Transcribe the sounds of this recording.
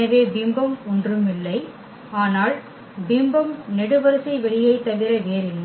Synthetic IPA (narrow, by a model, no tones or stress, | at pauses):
ɐʋeːbɪmbɐmɔndrɯmɪlːɐɪ | aːnaːl | bɪmbɐmnɛɽɯʋɐɾɯsɐɪʋɛɭɪjɐɪt̪ːɐʋɪɾɐʋeːɾɪlːɐ